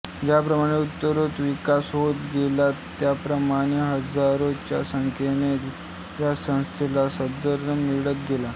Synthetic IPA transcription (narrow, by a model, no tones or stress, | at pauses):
d͡ʑapɾəmaɽ̃eut̪ːəɾot̪ʋikasɦot̪ɡelat̪ːjapɾəmaɽ̃eɦəd͡zaɾot͡ɕja̰səŋkʰenet̪ | jasə̃w̃st̪ʰilasəd̪əɾəmiɭət̪ɡela